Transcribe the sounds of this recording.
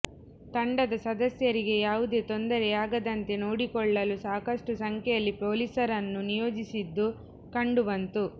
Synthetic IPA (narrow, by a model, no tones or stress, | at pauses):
t̪ɐɳɖɐd̪ɐsɐd̪ɐsjɐɾiɡe̞jaːʋud̪e̞ːt̪o̞nd̪ɐɾɛaːɡɐd̪ɐnt̪e̞noːɽikɔɭːɐlusaːkɐʂʈusɐŋkʰɛjɐlːipo̞ːlisɐɾɐnːunijoːd͡ʒisid̪ːu | kɐɳɖuʋɐnt̪u